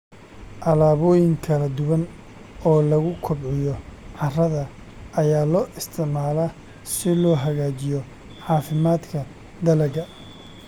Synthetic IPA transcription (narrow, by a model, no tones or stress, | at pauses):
ʔɐlaːβɔːjɪŋkʰɐlɐd̪ʊwɐn | ɔːlɐɣʊkʰʊbʕɪjɔʕɑrɐðɐ | ʔɐjaːlɔːʔɪst̪ʰɪʕmaːla | sɪlɔːɦɐɣaːt͡ʃɪjɔ | ħɑːfɪmaːd̪kʰɐ | d̪ɐlɐɣɐ